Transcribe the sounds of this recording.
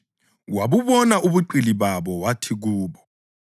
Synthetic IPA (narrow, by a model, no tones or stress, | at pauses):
waβuβɔnaʔuβuǃiliβaβɔwatʰiɣ̬uːβɔ